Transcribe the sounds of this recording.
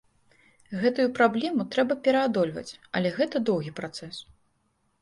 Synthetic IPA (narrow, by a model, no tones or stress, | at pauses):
ɣɛt̪ujupɾablʲɛmut̪ɾɛbɐpʲɛɾɐad̪ɔlʲvɐ̰t͡sʲɐ̰lʲɛɣɛt̪ɐd̪ɔwɣʲipɾat̪sɛs